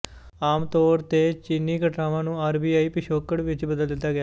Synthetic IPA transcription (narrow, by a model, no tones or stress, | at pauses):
aːmt̪oːɾt̪eːt͡ʃiniːkəʈɾaːʋãːnũːaːɾbiːaːiːpɪʃoːkəɽʋɪt͡ʃbəd̪əld̪ɪt̪ːaːɡɪja